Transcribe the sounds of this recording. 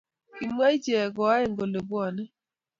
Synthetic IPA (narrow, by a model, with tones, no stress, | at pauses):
i˨m˦a˦i˦d͡ʒe˨ɛ˨ɡɔ˨a˦e˦˨ŋɡo˨le˨bwɔ˦˨nɛ˦